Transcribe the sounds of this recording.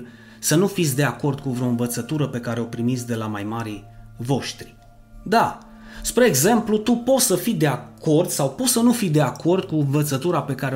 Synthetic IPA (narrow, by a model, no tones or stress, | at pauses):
sənufit̪sʲd̪e̞ako̞rd̪kuvɾeo̞ɨnvət̪sət̪uɾəpe̞kaɾe̞o̞pɾimit̪sʲd̪e̞lamajmaɾivo̞ʃt̪ɾi | d̪a | spɾeːɡze̞mplut̪upo̞t̪səfid̪e̞akʰo̞rd̪sawpot̪sənufid̪e̞ako̞rd̪̚kuɨɱvət̪sət̪uɾape̞kaɾe